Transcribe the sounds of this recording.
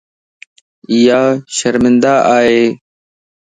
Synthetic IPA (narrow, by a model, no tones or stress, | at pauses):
ɪjaːʃəɾmɪnd̪aːʔaːɦeː